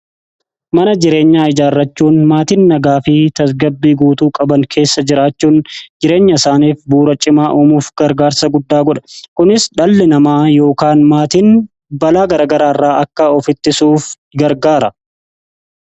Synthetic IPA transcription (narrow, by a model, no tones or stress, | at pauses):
mɐnɐd͡ʒɪɾe̞ːɲːaːɪd͡ʒaːrːɐt͡ʃːuːnmaːt̪inːɐɡaːfɪt̪ɐs̬ɡɐbːiːɡuːt̪uːkʼɐbɐŋkʰe̞ːsːɐd͡ʒɪɾaːt͡ʃːuːnd͡ʒɪɾe̞ːɲːɐɪsaːniːfbuːɾɐt͡ʃʼɪmaːʔuːmuːfɡ̥ɐɾɡaːɾsɐɡʊd̪ːaːɡɔᶑɐ̥kʊnɪsᶑɐlːɛnɐmaːjo̞ːkaːnmaːt̪iːn | bɐlaːɡɐɾaːɡɐɾaːrːaːʔɐkːɐɔfɪt̪ːɪsuːf | ɡɐɾɡaːɾɐ